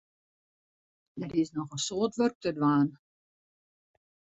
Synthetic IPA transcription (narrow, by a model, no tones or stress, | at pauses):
dɛrɪsnɔχəsoːətʋørk̚tədwaːn